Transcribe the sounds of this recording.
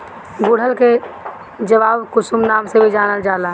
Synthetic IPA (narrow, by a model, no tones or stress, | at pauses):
ɡoːɽ̤əlke | d͡ʒəʋaːbkʊsumnaːmsebʱid͡ʒaːnəld͡ʒaːlaː